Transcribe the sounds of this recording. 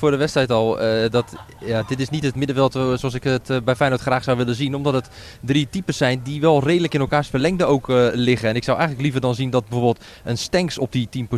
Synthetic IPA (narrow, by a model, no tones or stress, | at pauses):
fʊːrdəʋɛstrɛjtɔlˠdɔt | jadɪtɪsnitətmɪdəfvɪlˠsoɔs̬ɪkətbɛjfɛjnotxraːxsawʋɪlənzinɔmdɔtət | dritipəsɛjndiʋɛlˠreːdələkɪnɛlˠkaːrsfərlɛŋdəowklɪɣəɛnɪksawʔɛ̰jɣənləklivərdɔnzindɔt̚bəfoːbɪːlˠt | ənstɛŋksɔp̚ditimp